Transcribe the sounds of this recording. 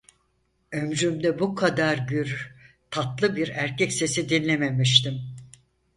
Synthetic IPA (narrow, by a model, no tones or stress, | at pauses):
ømd͡ʒymd̪ɛbukʰad̪aɾɟyɾ | t̪ʰat̪lˠɯbiɾæɾcʰɛcse̞sid̪inlʲeme̞miʃt̪im